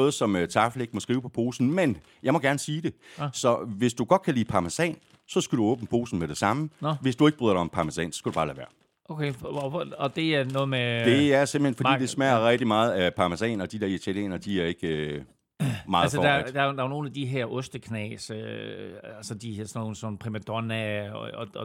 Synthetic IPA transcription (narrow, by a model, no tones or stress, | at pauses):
oːð̞̩ˠsɒ̽møt͡sʰɑ̈fleɡ̥mɒ̽sɡ̥ʁiːʊpʰɒ̽pʰo̝ːsn̩men | jɑ̈ɪmɒ̽ɡ̥æɐnəsiːd̥e̝sɒ̽ʋe̝sd̥uɡ̥ɒ̽d̥̚kʰælḭːpʰɑ̈mæsɛ̰ːn | sɒ̽sɡ̥æɾ̥uɔ̽ːb̥n̩pʰo̝̰ːsn̩meɾ̥e̝sɑ̈məʋe̝sd̥ue̝ɡ̥̚b̥ʁyːðˠɐɾɑɪɒ̽mpʰɑ̈mæsɛ̰ːnsɒ̥̽sɡ̥æd̥ub̥ɑ̈ːlæːʋæ̰ɐ̰ | ʔokʰe | ɒd̥e̝æɐnɔːð̩ˠmed̥e̝æɐsem̥l̩henfɒdḭd̥e̝smæɐɐʁɛɡ̥̚d̥imɑ̈ːð̞̩ˠæpʰɑ̈mæsɛ̰ːnɒ̽d̥id̥eɐit͡sʰæljḛːnɐd̥iæɐe̝ɡ̥ø | mɑ̈ːð̩ˠsd̥æd̥ɑ̈ono̝ːn̩æd̥iɦeɐʔɔsd̥əkʰnɛ̰ːs | ælsəd̥ihɐsnoːn̩sɔn̩pʰʁimæd̥ɔnæ